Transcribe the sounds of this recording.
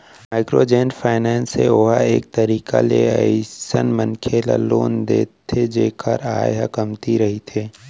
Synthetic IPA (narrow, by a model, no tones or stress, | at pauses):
maːɪkɾoːd͡ʒeːnfʰaːɪnɛːnsḛoːɦaeːk̚t̪ɐɾiːka̰leɐɪsənmənkʰeːla̰loːnd̪eːt̪ʰːed͡ʒeːkʰəɾa̰ːeɦəkəmt̪iɾɐɦit̪ʰeː